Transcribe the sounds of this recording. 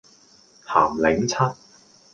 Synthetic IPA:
ha̰ː˨˩mlɪ˨˥ŋt͡sʰɐ˥t̚

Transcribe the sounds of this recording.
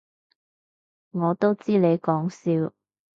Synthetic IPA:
ŋɔː˨˧t̪o˥wt͡siː˥le˨˧jkɔː˨˥ŋsiː˧w

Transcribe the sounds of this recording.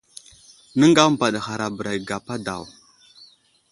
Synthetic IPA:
nə˦ŋɡa˦m˨ba˨ɗxa˨ɾa˨bə˨ɾa˨jɡa˨pa˦da˨w

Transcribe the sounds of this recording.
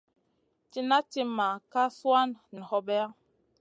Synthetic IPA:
ti˦na˦ti˦ma˨ka˦swa˦nni˨hɔ˦bɛ˦a˦

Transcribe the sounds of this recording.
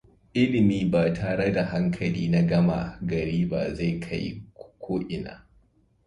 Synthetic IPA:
ʔɪ˦lɪ˨miː˦baː˨tʰaː˨ɽe˦da˨ɦa˦ŋkʰɐ˨liː˦na˦ɡɐ˦ma̰˨ɡɐ˨ɾiː˦ba̰ː˨za˦˨jkʰa̰˦jkʷʰoː˦ʔɪ˨na̰ː˦

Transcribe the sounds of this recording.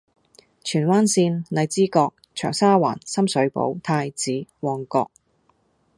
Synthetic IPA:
t͡ʃʰyː˨˩nwaː˥nsiː˧nlɐ˨˧jt͡siː˥kɔː˧k̚t͡ʃʰœ̰ː˨˩ŋsaː˥wa̰ː˨˩nsɐ˥msɵ˨˥ɥpo̰˨˥wt̪ʰaː˧jt͡siː˨˥wɔː˨˩ŋkɔː˧k̚

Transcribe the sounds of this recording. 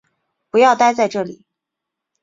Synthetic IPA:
pu˧˥jɑ˥˧ʊt̪a˥ɪt͡sa˥˧ɪʈ͡ʂɤ˥˩lḭ˨˩˦

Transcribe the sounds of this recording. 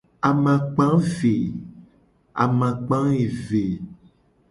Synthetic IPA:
a˨mã˨k͡pã˦fe˨ | a̰˨mã˨k͡pã˦e˨ve˨

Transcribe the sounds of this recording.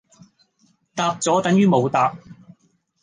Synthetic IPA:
t̪aː˧p̚t͡sɔː˨˥t̪ɐ˨˥ŋjyː˥mo˨˧wt̪aː˨˧p̚

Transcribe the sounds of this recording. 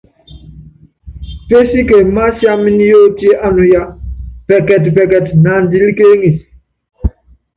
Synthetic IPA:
pe˦si˦ke˨ma˦sja˦mi˦ni˦jo˦ti˦e˦ʔa˦nu˨ja˦pɛ˨kɛ˨tbɛ˨kɛ˨tna˨ndi˦li˦ke˦ŋi˨s

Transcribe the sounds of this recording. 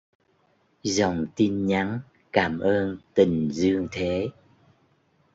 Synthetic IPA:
zɔ˨˩wŋ͡mt̪i˧nɲa˨˦ŋ | kaː˧˩mʔəː˧nt̪i˨˩ŋ̟zɨ˧əŋt̪ʰe˨˦

